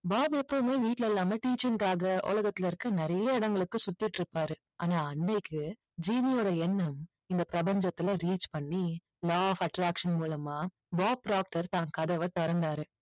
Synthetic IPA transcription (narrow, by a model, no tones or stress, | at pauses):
baːbɛpːɐmeːʋiːʈlɛlːaːmɐʈiːt͡ʃːɪŋkaːɣɐo̰ːlɐɣɐt̪ːɪlɪɾɯkːɯnɪɾɐjɐɪɽɐŋɡɐɭɯkːɯsʊt̪ːɪʈːɪɾɯpːaːɾɯ | ʔa̰ːnaːɐɳːɐɪkːɯ | d͡ʒiːmɪjoːɽɐɛnːɐm | ɪnd̪ɐpɪɾɐpɐɲd͡ʒɐt̪ːɪlɐɾiːt͡ʃpɐɳːi | laːfɐʈɾaːkʂɐnmuːlɐmaː | baːbɖaːk̚ʈɐɾt̪aːŋkɐðɐʋɐt̪ɔɾɐnd̪aːɾɯ